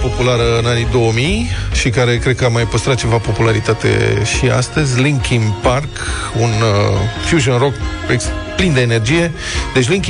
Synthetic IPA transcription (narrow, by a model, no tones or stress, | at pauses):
po̞pulaɾəɨnanid̪o̞wəmijʃikaɾe̞kɾed̪̚kəamajpəst̪ɾat̪̚t͡ʃe̞vapo̞pulaɾit̪at̪e̞̰ʃia̰st̪əzʲliŋkinpark | unfjuʒonro̞k | eksplind̪e̞ːne̞rd͡ʒije̞ | d̪e̞t͡ʃʲliŋk